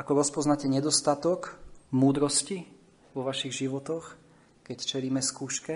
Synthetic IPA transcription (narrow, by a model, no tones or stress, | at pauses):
akɔɾɔspɔznacɛɲɛd̪ɔst̪at̪ɔkmuːd̪ɾɔsci | ʋɔʋaʃiɣʒiʋɔt̪ɔx | kɛct͡ʃɛliːmɛskuːʃkɛ